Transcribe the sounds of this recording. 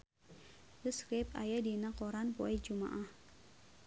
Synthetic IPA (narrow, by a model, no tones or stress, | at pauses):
bəskɾɪpa̰jadinakɔɾanpo̰ɛd͡ʒuma̰ʔah